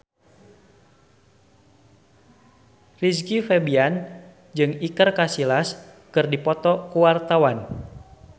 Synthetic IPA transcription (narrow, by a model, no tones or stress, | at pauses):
riskifɛbian | d͡ʒɨŋikərkasilas | kɨrdipɔt̪ɔkuwart̪awan